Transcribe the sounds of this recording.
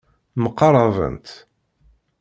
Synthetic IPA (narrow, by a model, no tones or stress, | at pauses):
məqːɑrˤɑvə̰nt̪